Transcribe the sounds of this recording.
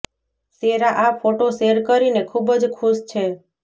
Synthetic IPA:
seɾaʔafoʈoʃeɾkəɾinekʰubəd͡ʒkʰuʃt͡ʃʰe

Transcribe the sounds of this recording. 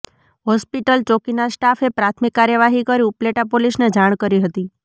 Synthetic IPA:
ɦɔspiʈəlt͡ʃokinasʈafepɾat̪ʰmikːaɾjəʋaɦikəɾiupleʈapolisned͡ʒaɽ̃kəɾiɦət̪i

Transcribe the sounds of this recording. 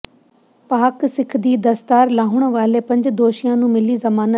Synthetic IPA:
paːksɪkʰd̪iːd̪ɐst̪aːɾlaːɦʊɽ̃ʋaːlepɐ̃ɲd͡ʑd̪oːʃijãnũːmɪlizɐmaːnə

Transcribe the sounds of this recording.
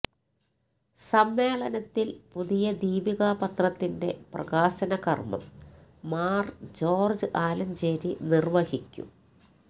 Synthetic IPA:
sɐmːe̞ːɭɐnɐt̪ːilpuðijɐd̪iːbiɣaːpɐt̪rɐt̪ːinde̞prɐ̰ɣaːɕɐnɐkɐ̰rmɐ̰mː | aːrd͡ʑo̞ːrd͡ʑɨʔaːlɐnd͡ʑeːɾinirʋɐhikʲːṵ

